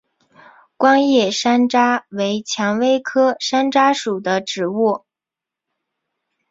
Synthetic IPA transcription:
kwɑ˥ŋjɛ˥˩ʂa˥nʈ͡ʂa˥we˧˥ɪt͡ɕʰjɑ˧˥ŋwe˥ɪkʰɤ˥ʂa˥nʈ͡ʂa˥ʂu˨˩d̪ə˦ʈ͡ʂɻ̩˧˥wɔ˥˩

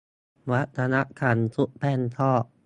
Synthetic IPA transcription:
wa˦˥t̪ʰːa˧na˦˥ʔkʰa˨˦˥nsu˦˥ʔpʰɛ˥˩nt̪ʰɔː˥˩ʔ

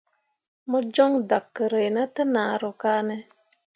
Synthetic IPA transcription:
mɔ˦d͡ʒɔ˦ŋda˨kːə˨ɾə˨jna˦tə˦naː˨ɾo˨kaː˦nɛ˦

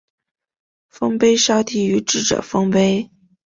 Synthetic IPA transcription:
fɤ˥ŋpe˥ɪʂɑ˥ʊt̪i˥˩y˧˥ʈ͡ʂɻ̩˥˩ʈ͡ʂɤ̰˨˩fɤ˥ŋpe˥ɪ

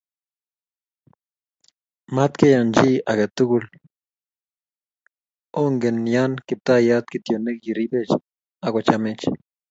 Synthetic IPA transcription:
ma˦t̪ke˦ja˨nd͡ʒi˦a˨ɡe˨t̪u˦ɡu˧l | o˦ŋɡe˨nja˦nki˨p̚t̪a˦ja˦t̪̚ki˨t̪jo˨ne˦kji˨ɾi˦be˦t͡ʃ | a˨kʷa˨t͡ʃa˧me˦t͡ʃ

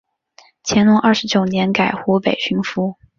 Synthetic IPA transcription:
t͡ɕʰjɛ˧˥nlʊ˧˥ŋʔɐ˥˩ʂɻ̩˧˥t͡ɕjo˨˩ʊnjɛ˧˥nka˨˩ɪxu˧˥pe˨˩ɪɕy˧˥ŋfu˥

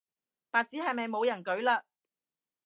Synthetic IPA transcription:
paː˨t̚t͡siː˨˥hɐ˨jmɐ˨jmo˨˧wjɐ˨˩nkɵ˨˥ɥlaː˧

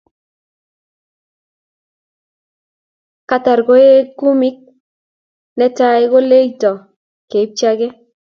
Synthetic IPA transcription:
ka˦ta˨rɡo˦e˦kːu˦mi˦k̚ | nɛ˦ta˦jɡo˦le˦jtɔ˨ | ke˨i˦p̚t͡ʃaɡɛ˦

